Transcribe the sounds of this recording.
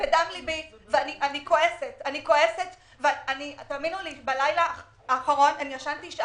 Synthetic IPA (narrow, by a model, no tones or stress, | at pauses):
vedamlibiveaniʔanikoʔesetaniko̞eset̪ | veanit̪aːminulibalajla | aːχaʁo̞nanijaʃantiʃ